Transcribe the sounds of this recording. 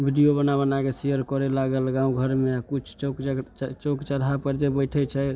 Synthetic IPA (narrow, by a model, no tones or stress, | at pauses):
bʱiɖijobənabənakesijəɾkɔɾɛlaɡəlɡãũɡʱəɾmeakut͡ʃʰt͡ʃkt͡ʃokt͡ʃəɾɦapəɾd͡ʒebəjʈʰɛt͡ʃʰɛ